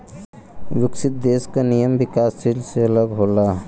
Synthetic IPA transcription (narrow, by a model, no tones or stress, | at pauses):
ʋɪksit̪̚d̪eskanijəmbikasːilseələɡɦola